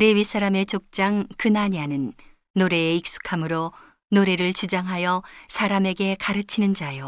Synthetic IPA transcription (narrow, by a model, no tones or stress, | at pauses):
ɾe̞ɥis͈ʰaɾame̞t͡ɕok̚t͡ɕ͈aŋkɯnaɲianɯnː | oɾe̞ːik̚s͈u̥kʰamɯɾo | noɾe̞ɾɯɭt͡ɕud͡ʑaŋɦajʌsʰaɾame̞ɡe̞kaɾɯt͡ɕʰinɯnd͡ʑajo